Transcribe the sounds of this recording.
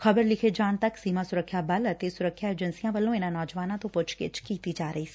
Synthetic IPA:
xɐbəɾlɪkʰed͡ʒaːnt̪ɐksiːmasʊɾəkʰːjabɐlət̪esʊɾəkʰːjaeːd͡ʒənsijãʋəlõɪnãnɔːd͡ʒʋaːnãt̪õpʊt͡ʃʰket͡ʃkiːt̪id͡ʒaːɾəiːsɛ̥

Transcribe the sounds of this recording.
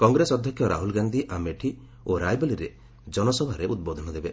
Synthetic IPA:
kɔŋɡɾesɔd̪ʱjɔkʰjɔɾa̰ɦulɡand̪ʱiʔameʈʰi | oɾajbeliɾe | d͡ʒɔnɔsɔbʱaɾeʔut̪̚bɔd̪ʱɔnɔd̪ebe

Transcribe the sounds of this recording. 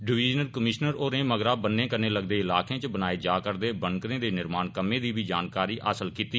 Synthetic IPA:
ɖɪʋiːd͡ʒnəlkəmɪʃnəɾoːɾẽːməɡɾaːbənːẽːkəneːləɡ̚d̪eːɪlaːkẽːt͡ʃbənaːeːd͡ʒaːkəɾd̪eːbənkɾnẽːd̪eːnɪɾmaːnkəmẽːd̪iːbiːd͡ʒaːnkaːɾiːʔa̰ːsəlkiːt̪iː

